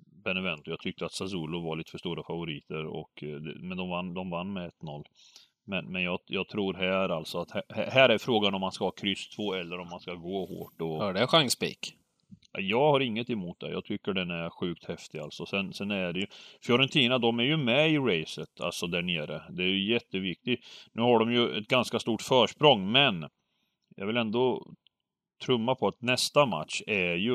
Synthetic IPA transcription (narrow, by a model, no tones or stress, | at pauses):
bɛnɛvɛnt̪ʊjɑɡt̪ʰʏk̚t̪əat̪sasuːlʊvaɭiːt̪ə̥fœəʂt̪uːɾafavʊɾiːt̪əɾɔ̰kd̪ɛ̰mɛnd̪ɔmvanːd̪ɔmvanːmɛɛt̪ːnɔlː | mɛnmɛnjɑːjɑːɡt̪ʰɾuːɾɦæːɾalt̪sɔat̪hæhæhæːɾæɾfɾoːɡanɔmːanskahɑːkʰɾʏst̪ʰvoːɛlːəɾɔmːanskaɡoːho̰ːʈɔhœɖɛɧaŋspḭk | jɑːɡhaɾɪŋːət̪ɛmuːt̪̚d̪ɛ̰jɑ̰ːɡt̪ʰʏkːəɖɛnæɾɧʉ̟ːk̚t̪hɛft̪ɪa̰lt̪sɔsɛnsɛnæɖɛjɵfjɔɾɛnt̪ʰiːnad̪ɔmæɾjɵmɛɪɾɛjsət̪ʰa̰lsɔd̪æɳeːɾəd̪ɛæɾjɵjɛt̪ːəvɪk̚t̪ɪnʉ̟ːhaɖɔmjɵɛ̰t̪̚ɡanskast̪uːʈfœːʂpɾɔŋːmɛn | jʔɑ̰ɡvɪlɛnd̪ɔ | t̪ʰɾɵmːapʰɔat̪nɛst̪ama̰t̪ɕæjɵ